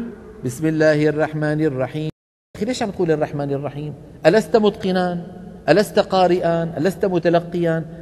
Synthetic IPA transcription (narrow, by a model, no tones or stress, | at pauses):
bɪsmɪlːaːhʔɑrˤːɑħmaːnɪrˤːɑħiː | xileːʃʕanquːlɑrˤːɑħmaːnɪrˤːɑħiːmʔalast̪amʊd̪qɪnaːnʔalast̪aqɑːɾɪʔaːnʔalast̪amʊt̪alaqːɪjaːn